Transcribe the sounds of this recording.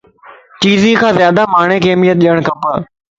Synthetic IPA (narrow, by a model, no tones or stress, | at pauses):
t͡ɕiːzĩkʰãːzjaːd̪amaːɽ̃ekeːmijət̪̚ɗiəɽ̃kʰɐ̃pə